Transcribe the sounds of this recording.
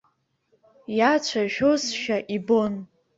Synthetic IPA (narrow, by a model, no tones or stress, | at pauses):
jat͡ʃʷʰaʒᶣosʃᶣaʔibon